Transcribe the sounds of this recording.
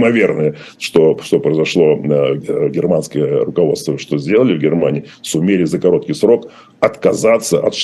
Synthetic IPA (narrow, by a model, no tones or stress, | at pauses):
mɐvʲe̞rnɨjə | ʂt̪oʂt̪o̞pɾəɪzɐʂlˠo̞ | ɡʲɪrmanskəjərʊkɐvo̞t̪st̪vəʂt̪o̞zʲdʲe̞lˠəlʲɪvɡʲɪrmanʲɪː | sʊmʲelʲɪzəkɐɾo̞t̪̚kʲɪjsɾo̞k | ɐt̪kɐzat̪sːəʔɐ̰t̪ʂ